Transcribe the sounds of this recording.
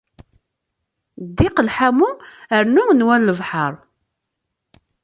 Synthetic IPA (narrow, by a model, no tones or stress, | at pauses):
d̪ːiqəlħamuəɾnʊŋnwænləvħəɾˤ